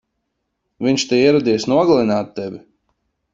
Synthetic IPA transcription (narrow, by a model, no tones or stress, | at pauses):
vʲiɲʲʃt̪eiɛɾɔd̪ijsnuɔɡalˠinaːt̪ːɛvʲi